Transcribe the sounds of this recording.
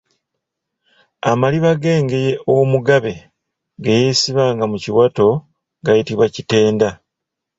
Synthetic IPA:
a̰maliβaɡe̞ːŋɡe̞je̞ʔomuɡaβe̞ | ɡejeːsiβaːŋɡamuciwato̞ | ɡajitiβwacite̞ːnda

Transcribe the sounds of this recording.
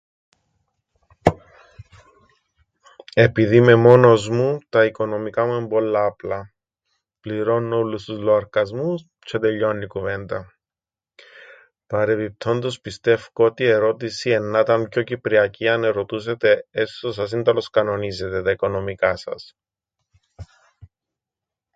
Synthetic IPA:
e̞piðime̞mo̞no̞zmut̪ɐiko̞no̞mikɐmue̞mbo̞lːɐːplɐ | pliɾo̞nːolːust̪uzloɐɾkɐzmus | t͡ʃʰe̞t̪e̞ʎːo̞nːikuve̞nd̪ɐ | pɐɾe̞pip̚t̪ʰo̞nd̪ospist̪e̞fkoot̪ie̞ɾo̞t̪isie̞nːɐt̪ɐmpço̞cipɾiɐciɐne̞ɾo̞t̪us̬e̞t̪eest̪os̬ɐsind̪ɐloskɐno̞nize̞t̪e̞t̪ɐiko̞no̞mikɐsɐ̰s

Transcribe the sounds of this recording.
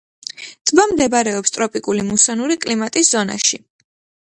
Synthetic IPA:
d̪bamd̪ɛbɾɛɔpst̪ʼɾɔpʼikʼulimusɔnuɾikʼlimat̪ʼisz̥ɔna̰ʃi

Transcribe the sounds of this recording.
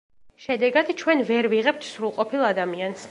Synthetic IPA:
ʃɛd̪ɛɡad̪t͡ʃʰwɛnvɛɾviʁɛp̚t̪ʰsɾulˠqʼɔpʰilˠad̪amians

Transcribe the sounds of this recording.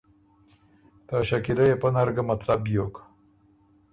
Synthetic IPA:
t̪aʃakilajepənaɾɡamat̪labjok

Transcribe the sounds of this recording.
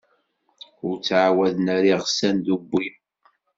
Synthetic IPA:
ʊɾt͡sːʕawæðnæɾiʁsænd̪ubːi

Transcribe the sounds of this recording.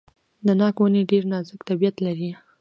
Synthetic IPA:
d̪ənɑkwəneɖeɾnɑzəkt̪abijat̪laɾi

